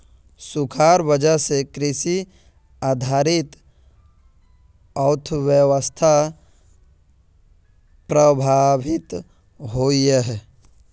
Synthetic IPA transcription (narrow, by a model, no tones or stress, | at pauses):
sʊkʰaːɾbəd͡ʒəɦsekɾɪsi | aːd̪ʱaːɾɪt̪ | əʊt̪ʰəʋjəwəst̪ʰa | pɾəbʱaːbɪt̪ | ɦoːiɛɦ